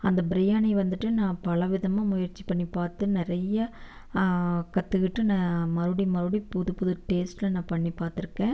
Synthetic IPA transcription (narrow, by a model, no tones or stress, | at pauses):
ɐnd̪ɐbɪɾɪjaːnɛʋɐnd̪ɯʈːɯnãːpɐlɐʋɪðɐmãːmʊjɐɾt͡ʃːi̥pɐɳːipaːɾt̪ɯnɪɾɐjɐ | kɐt̪ːɯkɪʈːɯnãːmɐɾɯɽimɐɾɯɽipʊðɯpʊðɯʈeːsʈlɐnãːpɐɳːipːaːɾt̪ɪɾɯkːẽː